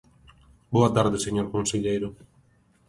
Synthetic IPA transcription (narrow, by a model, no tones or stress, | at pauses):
boat̪aɾðeseɲoɾkonseʎejɾo